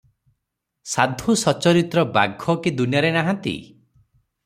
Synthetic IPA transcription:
sad̪ʱusɔt͡ʃɔɾit̪ɾɔba̰ɡʱɔkid̪unjaɾenaɦãnt̪ḭ

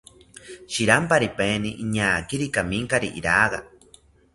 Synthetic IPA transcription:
ʃiɾampaɾipeniʔiɲaːkiɾikamiŋkaɾiʔḭɾaɣa

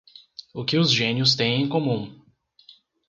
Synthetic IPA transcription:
ʊkɪʊzʒẽnjʊst̪ẽj̃ẽj̃komũ

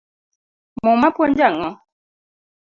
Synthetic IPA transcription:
mɔmapwɔn̩d͡ʒaŋɔ

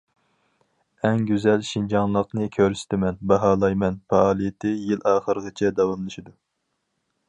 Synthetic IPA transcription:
ɛŋɡʲyzɛlʃind͡ʒɑŋlˠəqnɨkʲʰøɾsɪ̥t̪ʰɪmɛnbɑɦɑːlˠɑjmɛnpɑɑːlˠijɪt̪ʰɪjilʔɑːχəɾəʁɨt͡ʃʰɛd̪ɑwɑmlˠɨʃid̪u

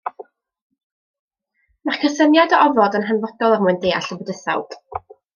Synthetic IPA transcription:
maχkʰəsənjadɔʔɔvɔdənɦanvɔdɔlˠərmuɨndeːa̰ɬəbɔdəsa̰wd̥

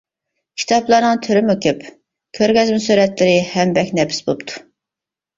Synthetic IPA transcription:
kʲʰi̥t̪ʰɑplˠɑɾnɨŋt̪ʰøɾymokʰʲep | kʲʰøɾɡʲɛzmusyɾɛt̪lɪɾɪhɛmbɛkʲnɛpɪ̥sbopt̪ʰu̥

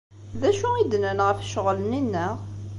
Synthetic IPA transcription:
ðæʃuid̪nənʁəfʃəʁləninːəʁ

